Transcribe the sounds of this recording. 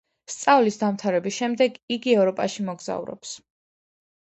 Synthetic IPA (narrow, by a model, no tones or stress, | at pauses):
st̪sʼavlisd̪amt̪ʰaɾɛbisʃɛmd̪ɛɡiɡiɛvɾɔpʼaʃimɔɡza̰ṵɾɔ̰ps